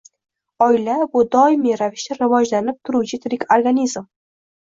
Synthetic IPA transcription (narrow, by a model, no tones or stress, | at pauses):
ɒɪlabʊd̪ɒɪmiɾavɪʃt̪aɾɪvɒd͡ʒlanɪp̚t̪ʰʊɾuwt͡ʃʰɪt̪ʰɾɪkʲoɾɡanʲizm